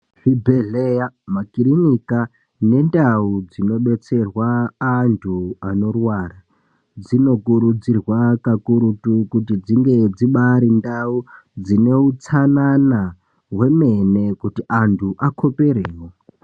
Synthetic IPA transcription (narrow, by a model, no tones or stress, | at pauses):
fibʱeɮejamakiɾinika | ne̞ndaud͡zino̞ɓe̞t͡se̞rwaːntʰuano̞rwaːra | d͡zino̞kuɾud͡zirwakakuɾutukutid͡ziŋɡe̞d͡ziɓaɾindau | d͡zine̞ut͡sanana | we̞me̞ne̞kutiʔantʰuʔakʰo̞pe̞ɾeːwo̞